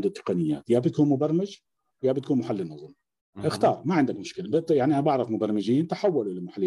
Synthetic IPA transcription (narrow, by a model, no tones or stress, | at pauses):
nd̪ut̪ːɪ̥qɑnɪjːa̰ːt̪jabt̪akuːnmʊbɑɾˤmɪd͡ʒ | jaːbɪt̪kuːnmʊħalːɪnːʊzˤuːm | ʔɪxt̪ɑːɾˤmaʕɪnd̪akmʊʃkɪlab̪jaʕniʔanbaʕɾˤɑfmʊbɑɾˤmɪd͡ʒiːnt̪aħawːalulɪmʊħalː